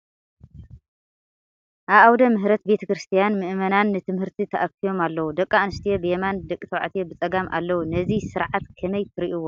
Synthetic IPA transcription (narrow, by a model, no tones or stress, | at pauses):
ʔaβʔawd̪ɐmɨɦɾɐt̪̚be̞t̪ʰɐkɾɨst̪ʰijanmɨʔmɐnanːɨt̪ʰɨmhɨɾt̪ʰit̪ʰɐʔɐkʰijo̞malːɐwud̪ɐkʼːaanɨst̪ʰijobɨjemand̪ɐkʼit̪ʰɐwʕa̰t̪ʰijobɨt͡sʼɐɡamʔa̰lːɐwunɐzisɨɾʕat̪kʰɐmɐjt̪ʰɨɾiʔuwːo